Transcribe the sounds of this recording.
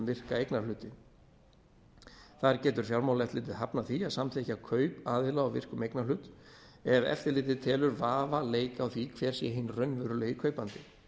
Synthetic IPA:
vɪr̥kaejknalʏːt̪ɪ | θaɾcɛːt̪ʏɾ̥fjawlmawlɛft̪lɪːt̪̬ɪðhapnaθiasamθɛhcakʰœːɥpaːðvɪlaawvɪ̰r̥kʏmejknalʏːt̪ | ɛvɛ̰ft̪ɪɾlɪːt̪ɪt̪ʰɛːlʏɾvaːvaleːjkaawθvikʰvɛːɾ̥sjɛɦɪnːrœnvʏɾʏlɛɣikʰœɥpant̪ɪ

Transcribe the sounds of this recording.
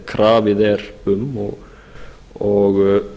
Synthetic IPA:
kʰɾʔaːʋɪðɛɾʉmːɔ̰ | ɔɣ

